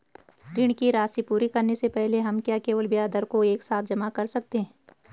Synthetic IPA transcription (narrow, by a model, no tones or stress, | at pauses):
ɾɪɳ̃kiɾaːsipuːɾikɐɾnesepɛɦleɦɐmkjaːkeːʋəlbijaːd̪əɾkoeːksaːt̪ʰd͡ʒɐmakɐɾsɐk̚t̪eɦɛ